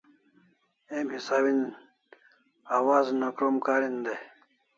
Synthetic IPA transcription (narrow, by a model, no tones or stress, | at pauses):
emhisaːbin | aːwaːznokɾomkaːɾind̪e